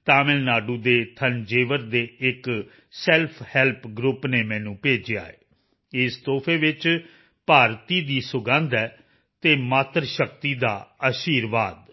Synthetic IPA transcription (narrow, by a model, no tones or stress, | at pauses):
t̪aːmɪlnaːɖũːd̪eːt̪ʰənd͡ʒeːʋəɾd̪eːɪk | sɛːlpʰhɛːlpɡɾʊpneːmɛ̃ːnũːpeːd͡ʒa̰ːḛː | ɪst̪oːpʰeːʋɪt͡ʃ | paːɾt̪iːd̪iːsʊɡãːnd̪ɛː | t̪eːmaːt̪ɾʃəkt̪iːd̪aːəʃiːɾʋaːd̪